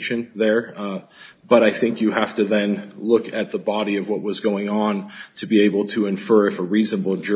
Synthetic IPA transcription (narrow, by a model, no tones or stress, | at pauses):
ʃɨ̃nðə˞ | b̥ʌɾaɪθɪ̃ŋkjɨhæftɨðɨ̃nlʊkɨt̪̚ðəbɑɾiʌvwʌʔ̚wʌzɡoʊɪ̃ŋə̃ntʰɨbieɪbl̩ˠtʰɨɨ̃ɱfɜ˞ɨfəɹiz̃nəbl̩ˠd͡ʒ